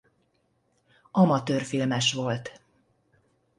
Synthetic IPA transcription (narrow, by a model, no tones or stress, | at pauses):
ɒmɒt̪øːrfilmɛʃʋo̞lt̪